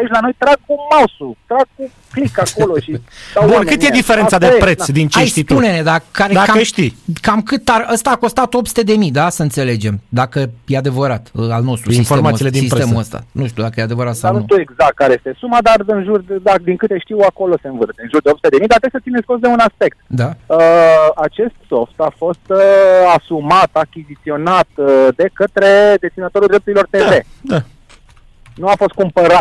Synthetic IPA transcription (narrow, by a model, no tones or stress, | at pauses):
ait͡ʃʲlano̞jt̪ɾaɡkumasut̪ɾaɡ̚ku | klikako̞loʃi̥abunkɨt̪jed̪ifeɾe̞nsad̪epɾe̞t̪sd̪int͡ʃeist̪it̪unened̪akaɾed̪akakəʃt̪ikamkɨt̪arəst̪aːko̞st̪at̪o̞psu̥t̪e̞d̪e̞mid̪asəɨnt̪se̞le̞d͡ʒe̞md̪akəjead̪e̞vəɾat̪alno̞st̪ɾusiisfoemat̪siled̪insispɾt̪e̞muəst̪a̰nuʃt̪iud̪akəjead̪e̞vəɾat̪saw̪ut̪ueɡzakt̪̚kaɾeje̞st̪e̞sumad̪arɨnʒurd̪ad̪iŋkɨt̪e̞ʃt̪iwako̞lo̞se̞ɨnvɨrt̪seɨnʒurd̪eopsut̪ed̪emijd̪at̪esət̪sinesʲkos̬d̪eunaspe̞k̚t̪d̪aəat͡ʃe̞st̪so̞ft̪afo̞st̪asumat̪akʲizit̪sio̞nat̪d̪e̞kət̪ɾe̞d̪e̞st̪inət̪o̞ɾuld̪ɾe̞p̚t̪uɾilo̞rt̪e̞ve̞d̪a | nuafo̞st̪̚kumpəɾat̪̚